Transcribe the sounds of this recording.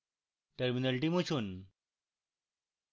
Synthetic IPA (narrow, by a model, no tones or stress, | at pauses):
ʈɐɾminɐlʈimut͡ɕʰun